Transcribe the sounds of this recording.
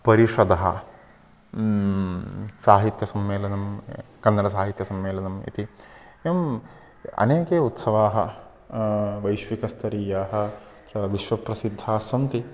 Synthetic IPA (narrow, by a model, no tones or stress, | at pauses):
pɐɾiʂɐd̪ɐɦɐ̰ | saːɦit̪jɐsɐmʋeːlɐnɐmkɐnːɐɾɐs̬aːɦit̪jɐsɐmːeːlɐnɐmḭt̪i | em | ɐ̰neːkeːut̪sɐʋaːɦɐ | ʋɐjʃʋikɐst̪ɐɾiːjaːɦɐ̆ | ɐʋiʃʋɐpɾɐsid̪ʱːaːsɐnt̪i